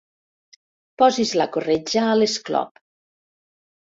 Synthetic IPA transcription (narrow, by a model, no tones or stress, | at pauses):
pɔzizlakored͡ʒaːlesklɔ̰p